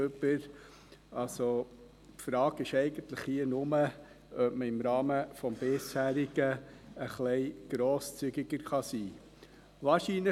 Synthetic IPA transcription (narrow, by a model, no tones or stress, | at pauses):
øbəɾ | ɑlso | pfɾɑːɡɪʃɛɪɡ̥ənt̪ləχhiːənʊmə | ʔœbməɪmɾɑːməfɔmb̥ɪshæːɾɪɡ̥əəχlɛɪɡ̥ɾoːst͡syɡɪɡəɾχɑsiː | vɑːɾʃinlə